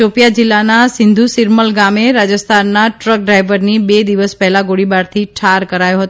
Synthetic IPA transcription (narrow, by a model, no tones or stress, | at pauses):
opijad͡ʒɪlːanasɪnd̪ʱusɪɾməlɡameɾad͡ʒəst̪ʰanːaʈɾək̚ɖɾajʋəɾnibed̪iʋəspəɦɛlaɡoɽibaɾt̪ʰiʈʰaɾkəɾajõɦət̪